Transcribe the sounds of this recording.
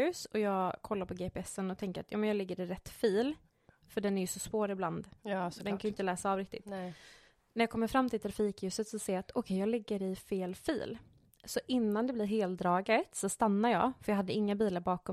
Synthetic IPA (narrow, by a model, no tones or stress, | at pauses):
ʉ̟ːsɔjɑːɡkʰɔlːaɾpʰɔɡepɪɛsːənɔt̪ʰɛŋkəɾat̪jɑ̰ːmɛnjɑːlɛɡːəɾɪɾɛt̪ːfiːl | fœɖɛnæɾjɵsɔsvoːɾɪbland̪d̪ɛnkʰanjʏɪnt̪əlɛːsaːvɾɪk̚t̪ɪt̪ | næɾjɑːkʰɔmːəɾfɾamːt̪ʰɪlt̪ʰɾafiːkjʉ̟ːsət̪sɔseːat̪ʰɔkʰɛjɑːɡlɪɡːəɾɪfeːlfḭːl | sɔʔɪnːand̪ɛbliːɾɦeːld̪ɾɑːɡat̪sɔst̪anːaɾjɑ̰ːfœjɑːɦad̪ːəɪŋːabiːlaɾbɑːkɔ